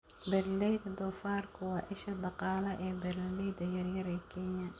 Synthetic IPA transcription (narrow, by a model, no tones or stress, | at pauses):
bɛrlɛjd̪ɐd̪ɔːfaːrkʰʊwɑːʔɪʃɐd̪ɑqɑːlɐʔɛːbɛrllɛjd̪ɐjɐrjɐɾɛːkʰɛɲɐ